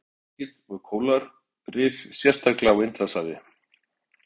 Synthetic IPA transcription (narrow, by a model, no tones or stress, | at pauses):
cɪ̥t̪ɔɣkʰoːwlaɾ̥ | rɪːfsjɛst̪aklaawɪnt̪lasaːðɪ̰